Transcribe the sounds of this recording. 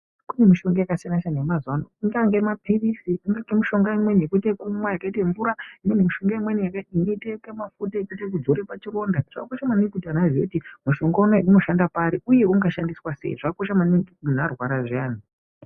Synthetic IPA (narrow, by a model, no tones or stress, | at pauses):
kune̞miʃo̞ŋɡajakasinaʃanemazwanoiŋɡaŋɡemapʰirisiiŋɡakemiʃo̞ŋɡaimwe̞ɲekutekumwajakaiteɱvuɾaimenemiʃo̞ŋɡaimwenijakainitekemafutaekutek̬ud͡zoɾepat͡ʃiro̞ndaʐ̥akakoʃamanekutanaʐokutimuʃo̞ŋɡanoiuno̞ʃandapaɾiuje̞uŋɡaʃandiswasḛḭʐakakoʃamaneiun̤arwaɾaʐiaːn̤i